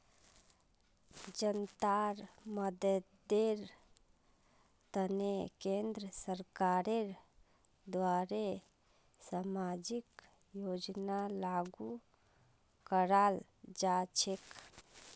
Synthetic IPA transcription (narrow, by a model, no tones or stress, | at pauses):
d͡ʒənt̪aɾməd̪ə | d̪eɾ | t̪ənekẽnd̪ɾəsəɾkaɾeɾ | d̪ʋaɾe | samad͡ʒik | jod͡ʒnalaɡu | kəɾal | d͡ʒat͡ʃʰek